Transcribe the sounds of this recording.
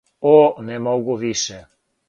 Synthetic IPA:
onɛmoɡuʋiʃɛ

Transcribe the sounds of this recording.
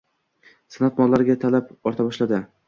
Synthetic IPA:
sanat̪mɒlˠːaɾɡʲat̪ʰalapɒɾt̪ʰabɒʃlad̪ɪ

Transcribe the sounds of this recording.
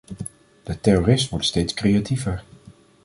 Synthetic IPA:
d̥ətɛroːrɪstʋɔɹtstejtskrejativəɹ

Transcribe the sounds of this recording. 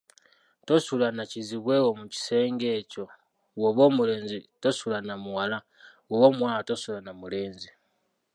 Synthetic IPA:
tosulanaciziβwewomuci̥se̞ːŋɡe̞ːco̞ | woβo̞ːmule̞ːnzitosulanamuwala | woβo̞ːmwaːlatosulanamule̞ːnzi

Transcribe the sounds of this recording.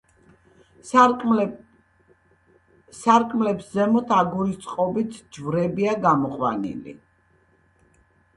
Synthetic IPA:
saɾkʼmlɛpszɛmɔt̪ʰaɡuɾist̪sʼqʼɔbit̪ʰd͡ʒvɾɛbiaɡamɔqʼwa̰nḭlḭ

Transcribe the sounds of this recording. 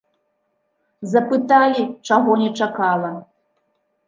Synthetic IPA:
zɐpɨt̪alʲit͡ʂaɣɔnʲɛt͡ʂakalˠɐ

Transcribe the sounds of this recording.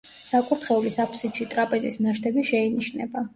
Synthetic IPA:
sakʼuɾt̪ʰχɛulisapʰsit̪ʃit̪ʼɾapʼɛzisnaʃt̪ʰɛbiʃɛiniʃnɛ̰ba

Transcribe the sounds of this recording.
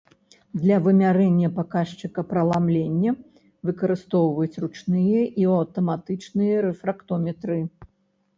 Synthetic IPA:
d̪lʲɐvɨmʲaɾɛnʲːɐpakaʂt͡ʂɨkɐpɾɐlˠamlʲenʲːɐ | vɨkɐɾɨst̪ɔwvɐjut͡sʲrut͡ʂnɨjɐʔiɐwt̪ɐmat̪ɨt͡ʂnɨjɐɾɛfɾakt̪ɔmʲɛt̪ɾɨ

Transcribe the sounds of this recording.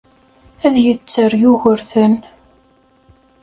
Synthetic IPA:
æðjət͡sːərjʊʝəɾθən

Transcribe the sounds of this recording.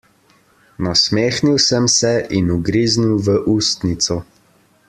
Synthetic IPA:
nasmeːxniwsəmsɛʔinuɡɾiːzniwʋəʔuːst̪nit̪sɔ

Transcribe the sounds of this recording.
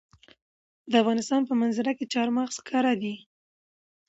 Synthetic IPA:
d̪əafɣɑnɪst̪ɑnpəmanzɪɾaket͡ʃɑɾmɑxskʰɑɾad̪i

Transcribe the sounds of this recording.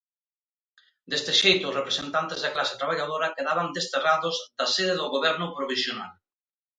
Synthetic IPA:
d̪est̪eʃejt̪ʊsrepɾesẽnt̪ant̪ezðaklase̥t̪ɾaβaʎaðoɾakeðaβand̪est̪eraðozd̪aseðeðoɣoβɛɾnʊpɾoβisjona̰l

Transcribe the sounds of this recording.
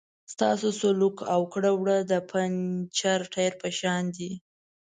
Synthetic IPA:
st̪ɑ̰sosolukawkɽəwɽəd̪əpʰant͡ʃaɾʈʰaɾpəʃɑnd̪i

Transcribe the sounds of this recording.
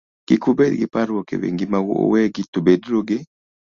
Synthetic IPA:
ɡ̥ɪkubɛdɡɪpaɾɔkḛwḛŋɡɪmaw̰wɛɡitobedɾoɡɪ

